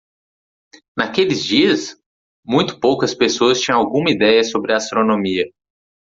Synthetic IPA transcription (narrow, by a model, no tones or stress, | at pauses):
nakelɪzd͡ʒiɐs | mũj̃t̪ʊ̥powkɐspesoɐst͡ʃĩɲɐ̃w̃awɡũmɐid̪ɛjɐsobɾɪast̪ɾonõmiɐ